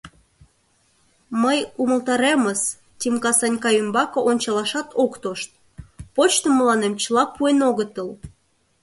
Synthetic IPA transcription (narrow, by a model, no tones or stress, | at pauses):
məjuməlt̪ɑɾeməs | t̪ʲimkɑsɑnʲkɑjymbɑkŏʔonʲt͡ɕɑlɑʃɑt̪ʰokt̪oʃt̪̚ | pot͡ɕt̪oməlɑnemt͡ɕəlɑpuenoɣət̪əl